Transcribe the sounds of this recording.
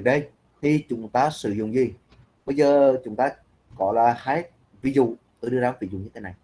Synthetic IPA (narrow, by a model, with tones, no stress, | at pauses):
ɗə˧j | t̪ʰi˨˩t͡ɕʊ˨˦ŋ͡mt̪aː˧sɨ˧˩zʊ̰˧˨ŋ͡mzi˨˩ | ɓə˧jzəː˨˩t͡ɕʊ˨˦ŋ͡mt̪aː˧ | kɔ˧˨˦laː˨˩xaː˨˦j̚ | vi˨˧˦zṵ˧˨t̪oː˧˦jɗɨ˧əzaː˨˦vi˧˩zʊ̰˧˨ɲɨ˧e˨˦na˨˩j